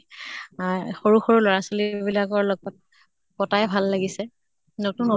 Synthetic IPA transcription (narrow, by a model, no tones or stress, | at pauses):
xoɹuxoɹulɔɹasolibilakɔɹlɔɡɔt̚ | kɔtajɛbʱalːaɡisɛ | notuno